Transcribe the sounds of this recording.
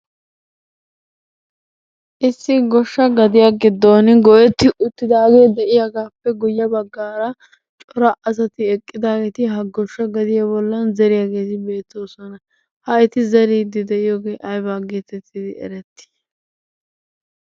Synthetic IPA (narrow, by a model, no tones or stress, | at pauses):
ʔɪsːɪɡɔʃːɐɡɐd̪ɪjaɡɪd̪ːoːnɪɡɔjɛt̪ːɪʔʊt̪ːɪd̪aːɡe̞ːd̪ɛʔɪjaɡaːpːɛɡʊjːɐbɐɡːaːɾɐ | t͡ʃʼɔɾɐʔɐs̬ɐt̪ɪɛkʼːɪd̪aːɡɛt̪ɪɦɐɡɔʃːɐɡɐd̪ɪjɐbɔlːɐnzɛɾɪjaːɡe̞ːt̪ɪbe̞ːt̪ʰːo̞ːsɔnɐ | hɐɪt̪ɪzɐɾiːd̪ːɪd̪ɛʔɪjoːɡe̞ːʔɐjbaːɡeːt̪ɛt̪ːɪd̪ɪɛ̰ɾɛt̪ːɪ̥